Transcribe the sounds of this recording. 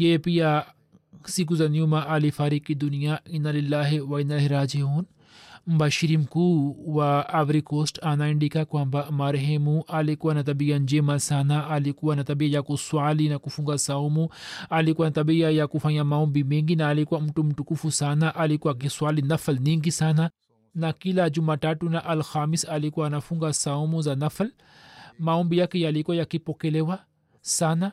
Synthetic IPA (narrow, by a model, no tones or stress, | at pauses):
jepija | sik̬uzɐnjumaʔalifaɾikːid̪unijainːalilːaːɦewainalɦiɾaːd͡ʒiɦuːn | mbaʃiɾimkuwaːʋɾikoːsʈanaiɳɖikakwambamaɾɦemuʔalikuanat̪ɐbijand͡ʒemasaːnaʔalikuanat̪ɐbijajakuswaːlinakufuŋɡasaumũalikuwanataɓiajakufaɲamaɔmbimɛŋɡinaːlikuwam̩tum̩tukufusanaʔalikuwak̬iswalinaflɲiŋɡisana | nakilad͡ʒumatatunaʔalxamisalikuwaːnafuŋɡasaumuzanafl | maɔmbijakɛjalikuwajakipɔkɛlɛwa | sana